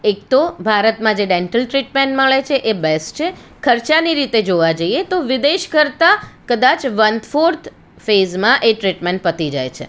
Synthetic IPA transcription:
ek̚t̪obʱaɾət̪mãd͡ʒeɖeɳʈəlʈɾiʈmẽɳʈməɭet͡ʃʰeʔebesʈt͡ʃʰekʰəɾt͡ʃaniɾit̪ed͡ʒoʋad͡ʒəiet̪oʋɪd̪eʃkəɾt̪akəd̪at͡ʃʋənd̪foɾt̪ʰ | fezmãʔeʈɾiʈmẽɳʈ̚pət̪id͡ʒa̰jt͡ʃʰḛ

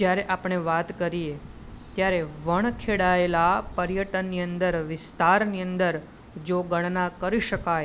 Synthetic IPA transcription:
d͡ʒjaɾeʔapɳ̃eʋat̪kəɾie | t̪jaɾeʋəɳ̃kʰeɽaelapəɾjəʈənːiə̃nd̪əɾʋɪst̪aɾniənd̪əɾ | d͡ʒoɡəɳ̃nakəɾiʃəkaj

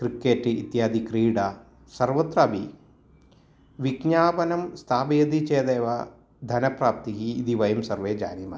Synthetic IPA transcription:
kɾikːeːʈiːt̪jaːd̪ikɾiːɖɐ | sɐɾʋɐt̪ɾɐɐbʱi | ʋiɡɲaːpɐnɐmst̪ʰaːbɐjɐd̪it͡ʃeːd̪eːʋɐ | d̪ʱɐnɐpɾaːp̚t̪ikiːd̪iʋɐjɐmsɐɾʋeːd͡ʒa̰ːnimɐ̰

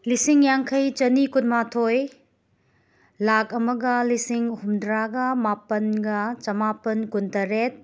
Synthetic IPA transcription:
lisiŋjaŋkʰɐjt͡ʃɐnikunmatʰoj | lak̚ɐmɐɡɐlisiŋhumdɾaɡɐmapɐnɡɐt͡ʃɐmapɐnkuntɐɾet̚

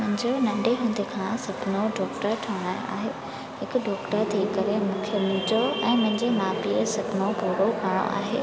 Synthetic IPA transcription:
mʊ̃ɦɪ̃ɲd͡ʑonɐ̃ɳɖʱeɦũːn̆d̪ʱekʰãsɐbnoɖɔːkʈəɾʈʰɐʋɽ̃ã̰ːa̰ːɦeː | ɦɪkɖɔːkʈəɾt̪ʰikɐɾemʊkʰjəmʊ̃d͡ʑoɛ̃ːmʊ̃ɦɪ̃ɲd͡ʑemaːpisɐbɪnopuːɾokaːɽ̃o̰ʔa̰ːɦḛː

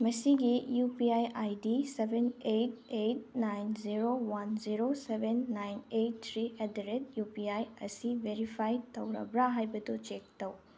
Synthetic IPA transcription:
mɐsiɡijupiajajdisebʱenejt̚ejt̚najnziɾowanziɾosebʱenːajnejtt̪ʰːɾiedeɾetjupiajɐ̰sibʱeɾipʰajtɐwɾɐ̰bɾaɦajbɐdut͡ʃek̚tɐw

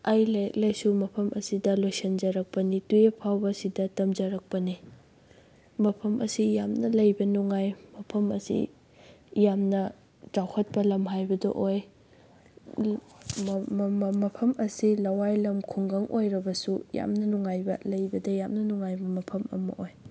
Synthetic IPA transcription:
ajlejɐk̚lejsumɐpʰɐmʔɐsidɐlojsɐnd͡ʒɐɾɐk̚pɐnituepʰawbɐsidɐtɐmd͡ʒɐɾɐk̚pɐni | mɐpʰɐmʔɐ̰sijamnɐlɐjbɐnuŋajmɐpʰɐmɐ̰sḭ | jamnɐ | tawhɐt̚pɐlɐmɦajbɐdɐ̰ʔoj | mɐpʰɐmɐsilɐwajlɐmkʰuŋɡɐŋʔojɾɐbɐsuja̰mnɐnuŋajbɐlɐjbɐdɐjamnɐnuŋajbɐmɐpʰɐmɐ̰mɐ̰ʔoj

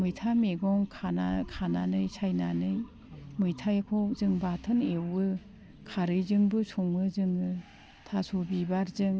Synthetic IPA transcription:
mɯjtʰameɡɔŋkʰana̰kʰananɯjsʰajnanɯj | mɯjtʰajkʰɔzɯŋbatʰɯnewɯ | kʰaɾɯjzɯŋbɯsʰɔŋɯzɯŋɯ | tʰasɔbibaɾzɯŋ

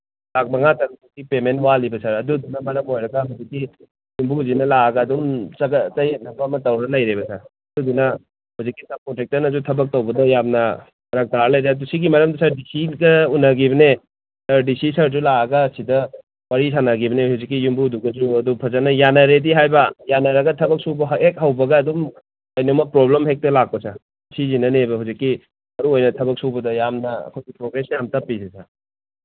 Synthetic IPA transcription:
lak̚mɐŋatɐɾɐdukipementwalibɐsaɾɐdud̪unɐmɐɾɐmojɾɐɡɐɦuzikːi | jumbuzinɐlaɐɡaːd̪umt͡ʃɐɡɐt͡ʃɐjet̚nɐbɐmɐtɐwɾɐlɐjɾebɐsɐɾɐdudunɐ | huzikːisɐmkotek̚tɐɾnɐzutʰɐbɐk̚towbɐdɐjamnɐ | ɾɐk̚taɾlɐjɾadusiɡimɐɾɐmdɐsaɾdisiɡɐunɐɡibɐne | saɾdisisɐɾzulaɐɡɐsidɐ | wɐɾis̬ʰanaɡibɐnehuzik̬ːijumbuduɡɐd͡ʒuɐdupʰɐzanɐjanɐɾediɦajbɐjanɐɾɐɡɐtʰɐbɐk̚subɐɦek̚ɦawbɐɡɐːdum | ɐjnomɐpɾoblemɦek̚tɐlak̚pɐsa | sʰizinɐnebɐɦuwzikːi | mɐɾuojnɐtʰɐbɐk̚suwbɐdɐjamnɐɐ̰kʰojɡipɾoɡɾesjamtɐpːisisʰa

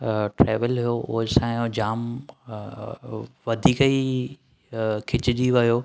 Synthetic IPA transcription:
ʈɾeːʋəlɦijoʔʊ̰ɦsãːod͡ʑaːm | ʋɐd̪ʱiːki | kʰɪt͡ɕɪd͡ʑiʋɐjoː

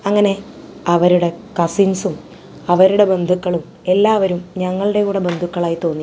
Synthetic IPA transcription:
ɐŋːɐne̞ɐʋɐɾuɽe̞kɐsinsum | ɐʋɐɾuɽe̞be̞nd̪ʱukːɐɭum | e̞lːaːʋɐɾumɲɐŋːɐɭɨɽe̞uːɽebe̞nd̪ʱukːɐɭaːjit̪o̞ːnːi

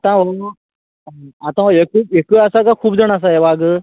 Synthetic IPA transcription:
at̪ãʋo | at̪ãekuekəɐsakakʰuːbd͡zəɳ̃as̬aeʋaɡ

